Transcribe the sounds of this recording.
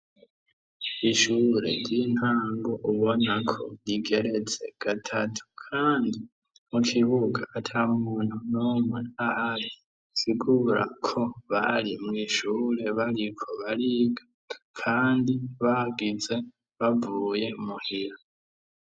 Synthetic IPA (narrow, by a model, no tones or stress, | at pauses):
iʃuɾe̞̰ɾɟin̥haːŋɡoʔuβo̞nakʰo̞̰jiɡe̞ɾe̞t͡se̞̰ɡ̥atʰatʰu̥kʰaːndi | mukʰiβuɡaʔːtʰaummuːn̥unumŋeaaɾi | siɡuɾa̰kʰo̞βaɾimŋiːʃuːɾe̞βaɾikʰo̞βaɾiɡa | kʰaːndiβaɡize̞ | βavuːje̞umuhiɾa